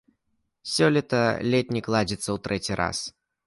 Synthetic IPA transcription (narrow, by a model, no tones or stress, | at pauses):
sʲɔlʲit̪ɐlʲɛt̪̚ʲnʲiklˠad͡zʲit̪sːɐwt̪ɾɛt͡sʲiɾa̰s